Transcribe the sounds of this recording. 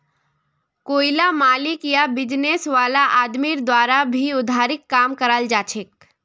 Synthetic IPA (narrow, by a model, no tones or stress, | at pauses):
koːɪlamaːlɪkjabɪd͡ʒneːsʋaːlaʔaːd̪miɾd̪waːɾabʱiʊd̪ʱaːɾɪkːaːmkəɾald͡ʒaːt͡ʃʰek̚